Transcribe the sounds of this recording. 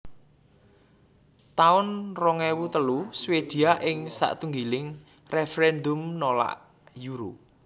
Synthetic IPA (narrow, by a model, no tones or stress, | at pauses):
t̪aʊnrɔŋɛwut̪əluswed̪̥i̤aʔɪŋsa̰ʔt̪uŋɡilɪŋ | refeɾɛnd̪ʊmnola̰ʔ | juɾṵ